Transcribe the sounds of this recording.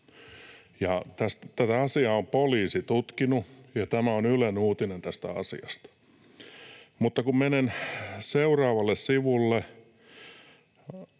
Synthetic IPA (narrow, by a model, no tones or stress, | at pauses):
jɑt̪æst̪t̪æt̪æɑsiɑompoliːsit̪ut̪kinujɑt̪æmæonylenuːt̪inent̪æst̪æ̰ɑ̰sḭɑ̰st̪ɑ̥ | mut̪ːɑkummenenseurɑːʋɑlːessiʋulːe